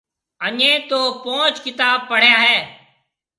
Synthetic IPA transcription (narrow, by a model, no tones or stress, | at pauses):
əɲẽːt̪oːpõːt͡ʃkɪt̪aːb̚pəɽ̤jaːɦɛː